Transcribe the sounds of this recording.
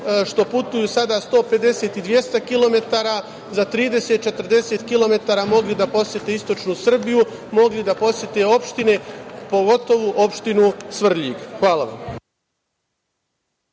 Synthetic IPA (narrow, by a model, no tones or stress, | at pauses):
ʃt̪o̞put̪ujusad̪ast̪o̞ːpe̞d̪e̞se̞ːt̪id̪ʋje̞st̪akilo̞me̞t̪aːɾa | zat̪ɾiːd̪e̞se̞t̪̚t͡ʃe̞t̪r̩d̪e̞se̞t̪kilo̞me̞t̪aːɾamo̞ɡlid̪apo̞sjet̪e̞ist̪o̞t͡ʃnusr̩biju | mo̞ɡlid̪apo̞sjet̪e̞o̞pʃt̪ine̞po̞ɡo̞t̪o̞ʋuʔo̞pʃt̪inusʋr̩ʎiɡxʋaːlaʋa̰m